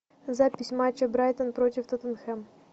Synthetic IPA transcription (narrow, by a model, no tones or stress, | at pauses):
zapʲɪsʲmat͡ɕɐbɾajt̪ənpɾotʲɪft̪ot̪ənxɛm